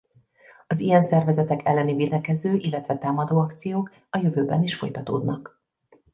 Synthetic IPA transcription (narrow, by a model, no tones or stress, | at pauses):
ɒzijɛnsɛrvɛzɛt̪ɛkʰɛlːɛnivilɛkɛzøːʔilːɛt̪ʋɛt̪aːmɒd̪oːɒkt̪sijoːk | ɒjøvøːbɛniʃfo̞̰jt̪ɒt̪o̰ːd̪nɒk